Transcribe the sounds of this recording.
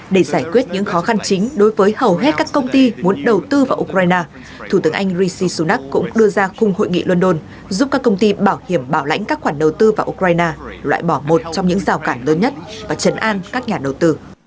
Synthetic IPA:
ɗe˧˩zaː˧˩jkwi˦˥ət̚ɲɨ̰˧˥ŋxɔ˨˦xa˧nt͡ɕï˨˦ŋ̟ɗo˨˦jvəː˨˦jhə˨˩wɦe˦˥t̚kaː˦˥kːə˧wŋ͡mt̪i˧mu˨˦ənɗə˨˩wt̪ɨ˧vaː˨˩ʔu˧kɾaː˧jnaː˧ | t̪ʰu˧˩t̪ɨ˨˦əʔa˧jŋ̟zi˧si˧su˧˩na˦˥k̚kʊ̰˧˥ŋ͡mɗɨ˧əzaː˧xʊ˧ŋ͡mho̰˧˨jŋḭ˧˨lwə˧nɗo˧n | zu˦˥p̚kaː˦˥kːə˧wŋ͡mt̪i˧ɓaː˧˩whi˧˩əmɓaː˧˩wla̰˧˥jŋkaː˦˥k̚xwaː˧˩nɗə˨˩wt̪ɨ˧vaː˨˩ʔu˧kwaː˧jnaː˧lwa̰ː˧˨jɓɔ˧˩mo˨˩t̚t͡ɕɔ˧wŋ͡mɲɨ̰˧˥ŋzaː˨˩wkaː˧˩nləː˨˦nɲə˦˥t̚vaː˨˩t͡ɕə˨˦nʔaː˧nkaː˦˥k̚ɲaː˨˩ɗə˨˩wt̪ɨ˧

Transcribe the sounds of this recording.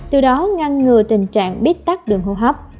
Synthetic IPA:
t̪ɨ˨˩ɗɔ˨˦ŋa˧nːɨ˨˩ət̪ï˨˩ŋ̟t͡ɕa̰ː˧˨ŋɓi˦˥ət̚t̪a˦˥k̚ɗɨ˨˩əŋɦo̰˧˩ɦa˨˥wk͡p̚

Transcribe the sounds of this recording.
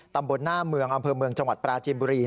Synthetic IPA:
t̪a˧mbo˧nːaː˥˩mɯ˧əŋʔa˧mpʰɤː˧mɯ˧əŋt͡ɕa˧ŋwa˨˩t̪̚pɾaː˧t͡ɕiː˧mbuː˧ɾiː˧

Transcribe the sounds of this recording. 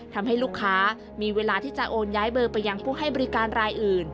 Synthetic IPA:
t̪ʰa˧mɦa˥˩jluː˥˩kʰːaː˦˥ | miː˧weː˧laː˧t̪ʰiː˥˩t͡ɕa˨˩ʔoː˧njaː˦˥jbɤː˧pa˧jːa˧ŋpʰuː˥˩ɦa˥˩jbɔ˧ɾi˦˥kaː˧nɾaː˧jʔɯː˨˩n

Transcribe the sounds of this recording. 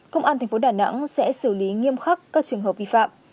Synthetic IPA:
kə˧wŋ͡mʔaː˧t̪ʰa˨˩ŋ̟fo˨˦ɗaː˨˩na̰˧˥ŋsɛ̰˧˥sɨ˧˩li˨˦ŋi˧əmxa˦˥kkːaː˦˥k̚t͡ɕɨ˨˩əŋɦə˨˩p̚vḭ˧˨fa̰ː˧˨mʔ

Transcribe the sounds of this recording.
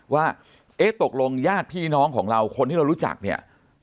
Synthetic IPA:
waː˥˩ | ʔe˦˥t̪o˨˩k̚lo˧ŋjaː˥˩t̪̚pʰiː˥˩nɔː˦˥ŋkʰɔː˩˦ŋɾa˧wkʰo˧nt̪i˥ɾa˧wɾuː˦˥t͡ɕa̰˨˩k̚ni˥˩ɐ

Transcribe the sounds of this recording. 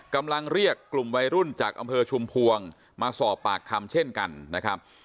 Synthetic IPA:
ka˧mla˧ŋɾi˥˩əkːlu˨˩mwa˧jɾu˥˩nt͡ɕaː˨˩k̚ʔa̰˧mpʰɤː˧t͡ɕʰu˧mpʰu˧əŋ | maː˧sɔː˨˩pːaː˨˩kʰːa˧mt͡ɕʰe˥˩nka˧nːa˦˥kʰɾa˦˥p̚

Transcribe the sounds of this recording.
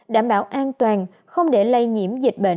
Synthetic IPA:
ɗaː˧˩mɓaː˨˦wʔaː˧nt̪waː˨˩n | xə˧wŋ͡mɗe˧˩˦lə˧jɲḭ˧˩˥əmzi˨˩k̚ɓḛ˧˨

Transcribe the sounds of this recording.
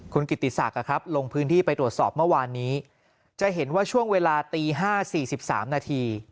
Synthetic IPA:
kʰu˧nki˨˩t̪ːi˨˩sa̰˨˩k̚a˨˩kʰɾa˦˥p̚lo˧ŋpʰɯː˦˥nt̪ʰiː˥˩pa˧jt̪ɾu˨˩ət̪sɔː˨˩p̚mɯ˥˩˨waː˧nːiː˦˥ | t͡ɕa˨˩ɦe˩˦nwaː˥˩t͡ɕʰu˥˩əŋweː˧laː˧t̪iː˧ɦaː˥˩siː˨˩si˨˩p̚sa̰ː˩˦mnaː˧t̪ʰiː˧

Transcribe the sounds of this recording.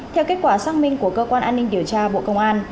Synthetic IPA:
t̪ʰɛ˧wke˦˥t̚kwaː˧˩saː˦˥k̚mï˧ŋku˧˩əkəː˧kwaː˧nʔaː˧nːï˧ŋɗi˧˩əwt͡ɕaː˧ɓo̰˧˨kə˧wŋ͡mʔaː˧n

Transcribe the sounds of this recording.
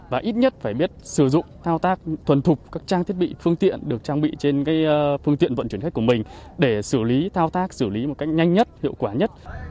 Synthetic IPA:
vaː˨˩ʔi˦˥t̚ɲə˦˥t̚faː˧˩jɓi˦˥ət̚sɨ˧˩zʊ̰˧˨ŋ͡mt̪ʰaː˧wt̪aː˦˥k̚t̪ʰwə˨˩nt̪ʰʊ˨˩k͡p̚kaː˦˥k̚t͡ɕaː˧ŋt̪ʰi˦˥ət̚ɓḭ˧˨fɨ˧əŋt̪ḭ˧˨ənɗɨ˨˩ək̚t͡ɕaː˧ŋɓḭ˧˨t͡ɕe˧nkaː˨˦jfɨ˧əŋt̪ḭ˧˨ənvə̰˧˨nt͡ɕi˧˩nxa˦˥k̚ku˧˩əmï˨˩ŋ̟ɗe˧˩sɨ˧˩li˨˦t̪ʰaː˧wt̪aː˦˥k̚sɨ˧˩li˨˦mo˨˩t̚ka˦˥jk̟̚ɲa˧jŋ̟ɲə˦˥t̚hḭ˧˨əwkwaː˧˩ɲə˦˥t̚

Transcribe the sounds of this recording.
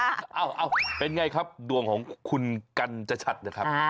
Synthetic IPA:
ʔa˧˩wʔa˧˩wpe˧nŋa˧jkʰa˦˥p̚du˨˩əŋkʰɔː˩˦ŋkʰu˧nka˧nt͡ɕa˧˩t͡ɕʰa˨˩t̪̚naː˧˦˥kʰa˦˥p̚

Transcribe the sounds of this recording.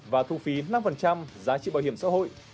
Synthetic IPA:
vaː˨˩t̪ʰu˧fi˨˦na˧mfə˨˩nt͡ɕa˧mzaː˨˦t͡ɕḭ˧˨ɓaː˨˩whi˧˩əsa̰˧˥ɦo̰˧˨jʔ

